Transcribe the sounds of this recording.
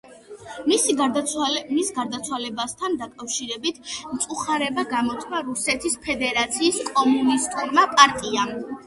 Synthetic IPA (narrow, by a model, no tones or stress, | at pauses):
misiɡaɾd̪aalmisɡaɾd̪at̪sʰwalɛbast̪ʰand̪akʼafʃiɾɛbit̪ʰmt̪sʼuχaɾɛbaɡamɔt̪ʰkʰvaɾusɛt̪ʰispʰɛd̪ɛɾat̪sʰiːskʼɔmunist̪ʼuɾmapʼaɾt̪ʼia